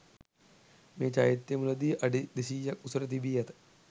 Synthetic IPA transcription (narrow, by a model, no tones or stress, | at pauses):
mẽːt͡ʃa̰ːjit̪ːemulɐd̪iːʔɐɖid̪isiːjɐkusɾɐt̪ibijɐt̪